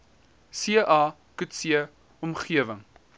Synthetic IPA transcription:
siəʔɑː | kʉtsiə | ɔmχiəvəŋ

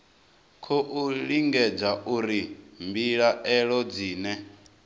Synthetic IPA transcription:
kʰɔʔuɺiŋɡɛd͡zaʔuɾimbiɺaʔɛɺɔd͡ziːnɛ

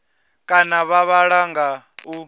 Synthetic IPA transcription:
kʼanaβaβaɺaŋɡau

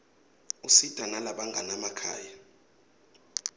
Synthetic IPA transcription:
usid̥ʼʱanalaɓaŋɡʱanamakʰa̰ːja

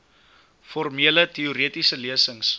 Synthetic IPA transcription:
fɔrmiələtiuɾiətisəliəsəŋs

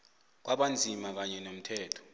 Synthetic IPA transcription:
k̬waɓand͡zʱimak̬aɲɛnom̩tʰɛːtʰɔ̥

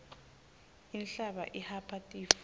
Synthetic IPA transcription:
inɬaɓa̰ʔihapʰatʼiːf

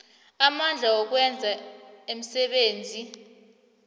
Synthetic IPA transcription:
amand͡ɮʱawɔk̬wɛnd͡zʱaem̩sɛɓeːnd͡zʱi

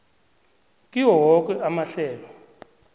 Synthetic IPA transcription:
kʼiwɔwɔk̬ʼɛamaɬɛːlɔ

